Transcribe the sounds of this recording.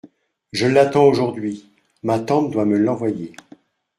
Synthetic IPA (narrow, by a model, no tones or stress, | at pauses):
ʒəlat̪ɑ̃oʒuʁd̪ɥi | mat̪ɑ̃p̚d̪waməlɑ̃vwaje